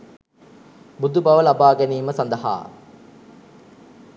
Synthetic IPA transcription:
bud̪ubaʋəlabaːɡæniːməsand̪əɦa̰ː

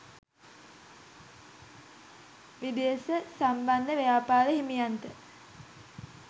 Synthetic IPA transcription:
ʋid̪ijəsəsamband̪əʋejaːpaːləɦimijant̪ə

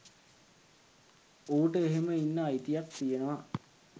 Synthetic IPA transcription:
oːʈəeɦeməinːəːjt̪ijak̚t̪ijenəʋa

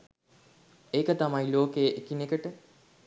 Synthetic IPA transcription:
eːkət̪amajloːkejəʔekinekəʈə

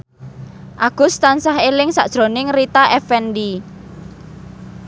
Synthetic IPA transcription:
ʔaɡ̥ʊ̤st̪ansaɦelɪŋsa̰ʔd̥ʒ̥ɾo̤nɪŋrit̪aʔɛfɛndi

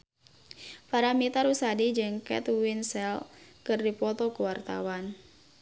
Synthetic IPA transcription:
paɾamit̪aɾusadid͡ʒəŋkɛ̰t̪winsɛlkɨrdipɔt̪ɔkuwart̪a̰wan

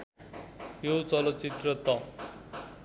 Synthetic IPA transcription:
jot͡sʌlʌt͡sit̪rʌt̪ʌ

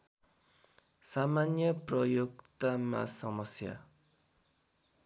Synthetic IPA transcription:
samanjʌprʌjoɡt̪ama̰sʌmʌsja̰

